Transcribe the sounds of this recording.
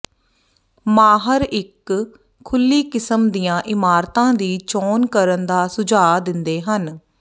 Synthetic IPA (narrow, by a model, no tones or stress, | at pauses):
maːɦəɾɪkʰː | ʊlːiːkɪsəmd̪ijãːʔɪmaːɾt̪ãːd̪iːt͡ʃɔːnkəɾənd̪aːsʊd͡ʒaːd̪ɪnd̪eːɦən